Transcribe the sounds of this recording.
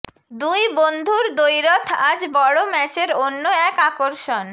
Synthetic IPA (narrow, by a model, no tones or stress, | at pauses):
d̪ujbond̪ʱuɾd̪ojɾot̪ʰad͡ʑbɔɽomɛt͡ɕeɾonːoɛkakoɾʃon